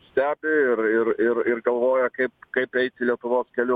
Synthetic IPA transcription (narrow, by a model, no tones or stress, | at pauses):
sʲt̪ʲæːbʲɪɪɾɪɾɪɾɪrɡɐlˠʋoːjɛkɐɪpkɐɪpɛɪt̪ʲɪlʲiɛt̪ʊʋoːskʲɛlʲʊ